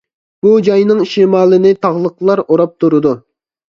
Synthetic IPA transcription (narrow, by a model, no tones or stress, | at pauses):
b̥ud͡ʒɑjnɨŋʃemɑːlˠɨnɪt̪ʰɑʁlˠəqʰlˠɑɾoɾɑp̚t̪ʰuɾɨd̪u